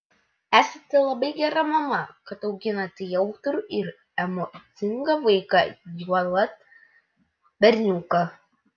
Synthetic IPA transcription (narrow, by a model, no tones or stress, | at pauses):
æːsɐt̪ʲɛlˠɐbɐɪɡʲɛɾɐmɐmɐkɐt̪ɒʊɡʲɪnɐt̪ʲɪjɛʊt̪ɾʲuʔɪɾ | ɛmɔt̪sʲɪŋɡɐʋɐɪkɐjuɔlˠɐt̪ | bʲɛɾʲnʲuːkɐ